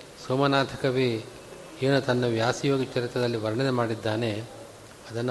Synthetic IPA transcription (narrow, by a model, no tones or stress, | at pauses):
soːmɐnaːt̪ʰɐkɐʋi | eːnut̪ɐnːɐʋjaːsijoːɡit͡ʃɐɾit̪ɐd̪ɐlːiʋɐɾɐɳɐd̪emaːɽid̪ːaːne̞ | ɐd̪ɐnː